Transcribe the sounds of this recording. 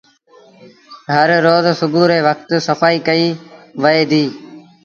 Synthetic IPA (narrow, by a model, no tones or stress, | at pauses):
ɦəɾɾoːzsʊɡuːɾeːʋək̚ʰt̪səfaːiːkəiːʋəeːd̪iː